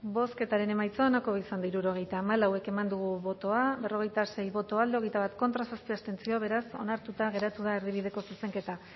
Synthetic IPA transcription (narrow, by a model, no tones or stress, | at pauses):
bo̞ske̞t̪aɾe̞ne̞majt͡soanakoβisand̪aiɾuɾo̞ɣ̞e̞jt̪aːmalawe̞ke̞mand̪uɣ̞uβo̞t̪o̞abe̞ro̞ɣ̞e̞jt̪ase̞jβo̞t̪o̞ald̪eo̞ɣ̞ejt̪aβat̪ko̞nt̪ɾasaspiast̪e̞nt͡sio̞β̞e̞ɾaso̞̰naɾt̪ut̪aɣ̞e̞ɾat̪uð̞aeɾðiβ̞ið̞e̞ko̞suse̞ŋke̞t̪a